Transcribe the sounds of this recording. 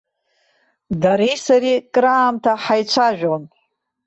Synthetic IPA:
daɾisaɾikʼɾaːmtʰaħajt͡ʃʷʰaʒᶣon

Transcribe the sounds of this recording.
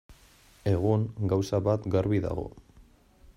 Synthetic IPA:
e̞ɣ̞uŋɡawsaβat̪ɡaɾβiða̰ɣo̞̰

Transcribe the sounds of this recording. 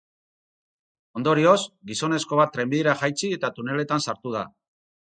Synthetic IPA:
o̞nd̪o̞ɾio̞sɡiso̞ne̞sko̞β̞at̪ːɾe̞mbiðiɾaʝajt͡sie̞t̪at̪une̞le̞t̪ansaɾt̪uð̞a

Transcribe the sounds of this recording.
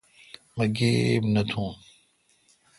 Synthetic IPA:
mɐɡeːbnɐt̪ʰũː

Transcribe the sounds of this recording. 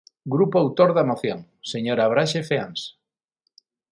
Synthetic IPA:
ɡɾupoawt̪oɾðɐmoθjoŋ | seɲoɾaβɾaʃefeans

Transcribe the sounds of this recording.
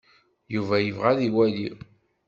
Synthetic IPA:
juvæjəvʁæðiwæli

